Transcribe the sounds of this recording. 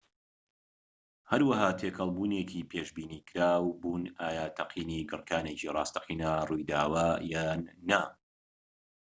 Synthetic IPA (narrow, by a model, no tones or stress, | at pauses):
hɐɾwɐhaːt̪ʰekʰɐlˠbuːnecʰipʰeːʃbiːniːkʰɾaːwbuːnaːjaːt̪ʰɐqʰiːniɡɨrkʰaːnecirˤɑ̰ːst̪ɐ̥qiːnarujd̪aːwaːjaːnːa